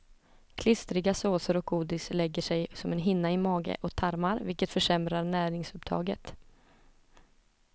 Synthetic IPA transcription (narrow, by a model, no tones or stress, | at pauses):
kʰlɪst̪ɾɪɡasoːsəɾɔk̚ɡuːd̪ɪslɛɡːəʂɛjsɔmɛnɦɪnːaɪmɑːɡə̰ʔɔkt̪ʰaɾmaɾvɪlkət̪fœʂɛmɾaɾnæːɾɪŋsɵpt̪ʰɑ̰ːɡət̪